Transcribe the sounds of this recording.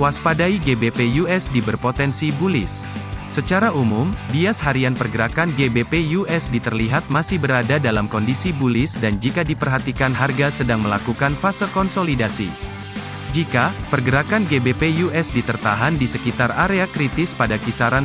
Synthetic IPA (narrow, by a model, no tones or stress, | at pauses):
kwaspadaiɡebepejuɛsdibərpot̪ɛnsibulɪ̰sː | ət͡ʃaɾaʔumumdiashaɾianpərɡəɾakanɡebepejuɛsdit̪ərliɦat̪̚masɪhbəɾadadalamkɔndisibulɪsdand͡ʒikadipərɦat̪ikanɦarɡasədaŋməlakukanfasərkɔnsolidasḭ | d͡ʒikapərɡəɾakanɡebepejuʔɛsdit̪ərt̪aɦandisəkit̪araɾeakɾit̪ɪspadakisaɾan